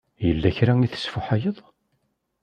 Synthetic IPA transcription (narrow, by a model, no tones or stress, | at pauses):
jəlːæçɾæŋiθə̥sfʊħajəðˤ